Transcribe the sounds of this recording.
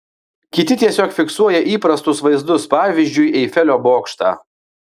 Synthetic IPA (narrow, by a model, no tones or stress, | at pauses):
kʲɪt̪ʲɪt̪ʲiɛsʲoːkfʲɪksuɔjɛʔiːpɾɐst̪ʊsʋɐɪzd̪ʊspɑːʋʲizʲd͡ʒʲʊɪɛɪfʲɛlʲoːboːkʃt̪ɑ̰ː